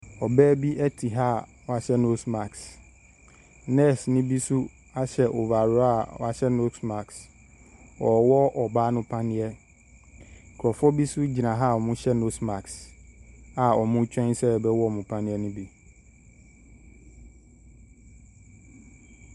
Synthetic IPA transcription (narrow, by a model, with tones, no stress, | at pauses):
ɔ˨bɛː˦bi˦ʔɛ˦tʰi˨ɦa˦wɔ˨a˨ɕɛ˦no˦sma˨ks | nɛ˦snɪ̃˦bi˦sʊ˦ | a˦ɕɛ˨ʔo˨va˨ɾa˨ɔ̰˨a˨ɕɛ˦no˦sma˨ks | ɔ˨wɔ˦ʔɔ˨baː˦nʊ̃˦pʰã˦nɪ̃˦ɛ˦˨ | kʰɾɔ˨fɔ˦bi˦sʊ˦d͡ʑi˨nã˨ɦa˦˨ɔ˨mʊ̃˦ɕɛ˦no˦sma˨ks | a˨ɔ˨mʊ̃˦t͡ɕʰᶣɛ̃˦nsɛ˦˨bɛ˦wɔ˦˨mʊ̃˨pʰã˦nɪ̃˦ɛ˦nʊ̃˦bi˦